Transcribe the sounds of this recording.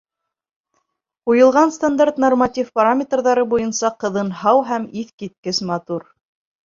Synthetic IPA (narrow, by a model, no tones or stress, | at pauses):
ujɤ̆lˠʁɑnst̪and̪art̪normatʲifpaɾamʲet̪rðɑɾɤbujɤnsɑqɤ̆ðɤnhɑwɦæmiθkit̪̚kɘsmɑt̪uɾ